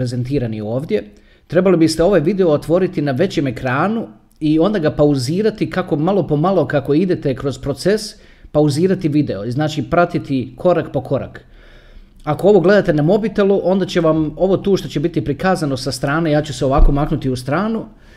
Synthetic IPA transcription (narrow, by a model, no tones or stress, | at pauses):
ɾeze̞nt̪iːɾanio̞ːʋd̪je̞ | t̪ɾe̞balibist̪e̞o̞ʋajʋid̪eo̞ːt̪ʋo̞ɾit̪inaʋe̞t͡ɕe̞me̞kɾaːnu | io̞nd̪aɡapauziːɾat̪ikako̞malˠo̞po̞malˠo̞kako̞id̪et̪e̞kɾo̞zpɾo̞t̪se̞s | pauziːɾat̪iʋid̪e̞oznaːt͡ɕipɾat̪it̪ikʰo̞ɾakpo̞ko̞ɾa̰k | ako̞o̞ʋo̞ɡle̞d̪at̪e̞namo̞bit̪e̞luʔo̞nd̪at͡ɕe̞ʋamo̞ʋo̞t̪uːʃt̪o̞t͡ɕe̞bit̪ipɾikaːzano̞sast̪ɾaːnejaːt͡ɕuse̞o̞ʋaːko̞maknut̪iust̪ɾaːnu